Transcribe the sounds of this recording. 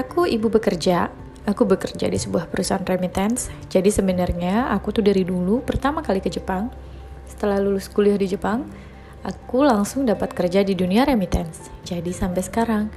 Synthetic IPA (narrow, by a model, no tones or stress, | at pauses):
ʔakuʔibubəkərd͡ʒa | akubəkərd͡ʒa̰disəbuahpəɾusaɦanremit̪ɛnsd͡ʒadisəbənarɲaakut̪udaɾidulupərt̪amakalikəd͡ʒəpaŋ | sə̥t̪əlahlulʊskuliʊhdid͡ʒəpaŋ | ʔakulaŋsʊŋdapat̪̚kərd͡ʒadiduniaɾemit̪ɛnsd͡ʒadisampɛjsə̥kaɾaŋ